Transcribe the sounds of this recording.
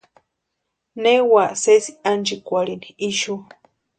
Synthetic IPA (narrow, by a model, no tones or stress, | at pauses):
newaʔsesiand͡ʒikʷaɽiniiʃu